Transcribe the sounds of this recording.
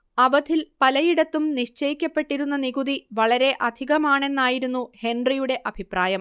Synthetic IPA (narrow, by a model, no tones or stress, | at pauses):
ɐʋɐd̪ʱilpɐlɐjiɽɐt̪ːumniʂt͡ɕɐjikʲːɐpːe̞ʈːiɾunːɐniɡuðiʋɐɭɐɾe̞ʔɐd̪ʱiɣɐmaːɳe̞nːaːjiɾunːuhe̞nɖrijuɽe̞ʔɐbʱipraːjɐm